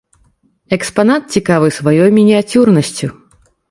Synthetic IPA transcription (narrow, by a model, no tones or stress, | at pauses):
ɛkspanat̪̚t͡sʲikavɨsvajɔjmʲinʲiat͡sʲurnɐsʲt͡sʲu